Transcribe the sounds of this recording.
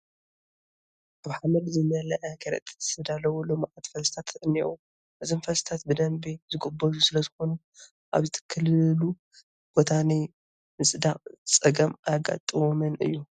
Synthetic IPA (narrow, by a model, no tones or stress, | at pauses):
ʔaβħamɐd̪zɨnɐlɐʔɐkʰɐɾɐ̰t̪ʼsɨd̪alɐwulomʔat̪fɐlst̪ʰat̪ːɨʔɨnːiʔu | ʔɨzimfɐlst̪ʰat̪̚bɨd̪ɐmbizɨɡɨbɐzusɨlɐzɨxo̞nu | ʔa̰βzɨt̪ʰɨ̥kʰːɨllu | b̥ot̪ʰanɐj | mɨsʼd̪aχʼt͡sʼɐɡɐmajɡa̰t̪ʼɨwomɐnʔɨ̰jːu